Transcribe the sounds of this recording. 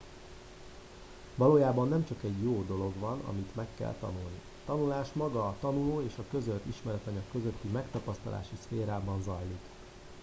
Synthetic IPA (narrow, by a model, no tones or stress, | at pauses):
vɒloːjaːbɒnːɛmt͡ʃɒkɛɟjoːd̪o̞lo̞ɡʋɒnɒ̰mit̪mɛkːɛ̰lt̪ɒ̰nulni | t̪ɒnulaːʃmɒɡɒːt̪ɒnuloːeːʃɒkø̞zølt̪iʃmɛɾɛt̪ɒɲɒkːø̞zøt̪ːimɛkt̪ɒpɒst̪ɒlʔa̰ːʃisfeːɾaːbɒnzɒjlik